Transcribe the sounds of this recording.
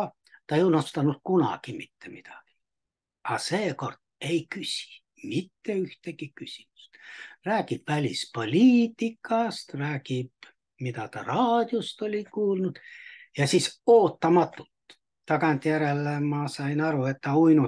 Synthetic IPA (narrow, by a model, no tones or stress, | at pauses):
t̪ɑeiunost̪ɑnut̪kunɑ̰kimit̪ːemit̪ɑ̥ki̥ | ɑseːkort̪ | eikysʲi̥ | mit̪ːeyht̪ekikysi̥my̥st̪ræːkipʋælʲispolʲiːt̪ːikʰːɑst̪ræːkip | mit̪æt̪ɑrɑːd̪̥ʲjost̪olʲikuːlnut̪jɑsisoːt̪ːɑmɑt̪ːult̪ | t̪ːɑkɑnt̪jæɾelːemɑsɑinɑruet̪ːæuinu